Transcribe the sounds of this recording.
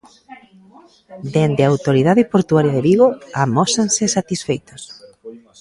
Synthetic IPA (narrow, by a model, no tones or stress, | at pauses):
d̪end̪eawt̪oɾiðaðɪpoɾt̪uaɾjaðeβiɣoamɔsansɪsat̪isfejt̪os